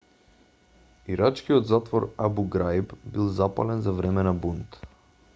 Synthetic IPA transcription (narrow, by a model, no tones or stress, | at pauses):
iɾat͡ʃkiɔd̪zat̪vɔɾabuɡɾajbbilˠzapa̰lɛnzavɾɛmɛnabunt̪